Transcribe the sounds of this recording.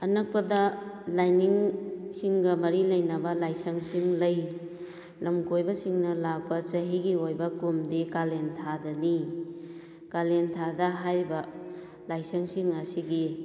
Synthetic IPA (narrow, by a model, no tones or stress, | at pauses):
ɐnɐk̚pɐdɐlajniŋsiŋɡɐmɐɾilɐjnɐbɐlajsɐŋsiŋlɐj | lɐmkʰojbɐsiŋnɐlak̚pɐt͡ʃɐɦiɡiojbɐkumdikalentʰadɐni | kalentʰadɐɦajɾibɐ | lajsɐŋsiŋɐsiɡi